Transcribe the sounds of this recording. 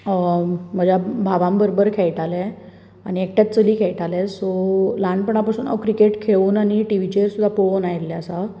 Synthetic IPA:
m̤əd͡ʑjabʱaʋãmbəɾobəɾkʰeɭʈalẽ | añiek̚ʈjat̪̚t͡səliːkʰejʈalesɔlaɳɖpəɳ̃apasuːna̰kɾikeʈkʰeʋuːnañiʈiʋit͡ɕeɾsud̪ʱapoʋonajelːɛəsa

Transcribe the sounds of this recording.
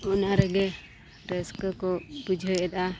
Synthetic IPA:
ɔnaɾɛɡɛ | ɾɛskkɔbud͡ʒʱɔɛd̪a

